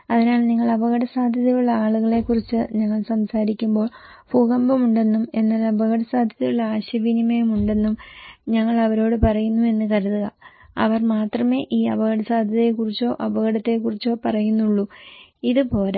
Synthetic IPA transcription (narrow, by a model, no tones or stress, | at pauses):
ɐðinaːlniŋːɐɭɐbʱɐɣɐɽɐsaːd̪ʱjɐðɐjuɭːɐaːɭuɣɐɭe̞kːurit͡ɕːɨɲɐŋːɐɭsɐmsaːɾikʲːumbo̞ːɭ | puɣɐmbɐmuɳɖe̞nːume̞nːaːlɐbʱɐɣɐɽɐsaːd̪ʱjɐðɐjuɭːɐaːɕɐʋinimɐjɐmuɳɖe̞nːumɲɐŋːɐɭɐʋɐɾo̞ːɽɨpɐrɐjunːue̞nːɨkɐɾuðuɣɐɐ̰ʋɐrmaːt̪rɐme̞ːʔiːɐbʱɐɣɐɽɐsaːd̪ʱjɐðɐjekurit͡ɕːo̞ːʔɐbɐɣɐɽɐt̪ːe̞kurit͡ɕːo̞ːpɐrɐjunːuɭːuiðɨpo̞ːlɐ